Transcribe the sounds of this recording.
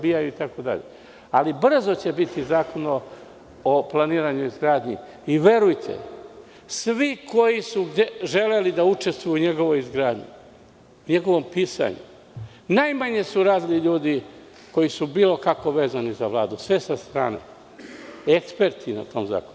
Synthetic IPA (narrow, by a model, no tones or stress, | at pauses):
bijajuit̪ako̞d̪a̰ʎḛ | alibr̩zo̞t͡ɕe̞bit̪izaːko̞no | oplˠaniːɾaɲuizɡɾaːd̪ɲi | iʋe̞ɾujt̪ʰḛ | sʋiko̞jisuɡd̪eʒe̞le̞lid̪aut͡ʃe̞st̪ʋujuuɲe̞ɡo̞ʋo̞izɡɾaːd̪ɲṵ | uɲe̞ɡo̞ʋo̞mpiːsa̰ɲṵ | najmaɲe̞suɾaːd̪iliʎuːd̪i | ko̞jisubiːlˠo̞kako̞ʋe̞ːzanizaʋlˠaːd̪usʋe̞sast̪ɾa̰ːnḛ | ekspe̞ɾt̪ʰina̰t̪o̞mza̰ːkonu